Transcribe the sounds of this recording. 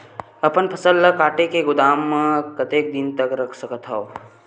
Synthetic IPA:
ɐpənpʰəsəlːəkaːʈekeɡʊd̪aːmːəkət̪eːk̚d̪ɪnt̪əkɾɐkʰsəkət̪ʰɦao

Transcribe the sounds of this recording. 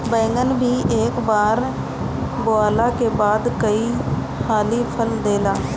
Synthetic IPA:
bɛ̃ːŋɡənbʱiːʔeːkbaːɾ | bʊaːlaːkeːbaːd̪kəi | haːliːpʰəld̪eːlaː

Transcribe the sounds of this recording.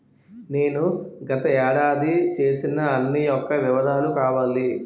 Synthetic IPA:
ne̞ːnuɡɐt̪ɐɛːɽaːd̪it͡ʃe̞ːsinɐːnːijɔkːɐʋiʋɐd̪ʱaːlukaːʋaːli

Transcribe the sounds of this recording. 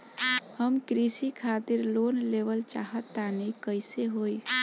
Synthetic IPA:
həmkɾisikʰat̪iɾlonleʋəlt͡ʃaɦət̪ːanikəɪseɦoj

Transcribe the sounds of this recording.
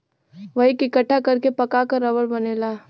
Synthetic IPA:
ʋɐɦikikəʈʰːakɐɾkepɐkakəɾːɐʋəɾbɐneːlaː

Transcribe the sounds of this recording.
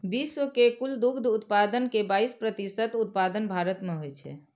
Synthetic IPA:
bisokekuld̪ukd̪ʱut̪pad̪ənkebaispɾət̪isət̪ut̪̚pad̪ənbʱaɾət̪meɦojt͡ʃʰɛ̰

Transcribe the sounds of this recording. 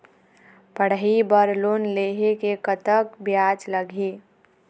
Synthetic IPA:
pəɽ̤ɦibəɾloːnleːɦekekət̪əkbjaːt͡ʃləɡʱeː

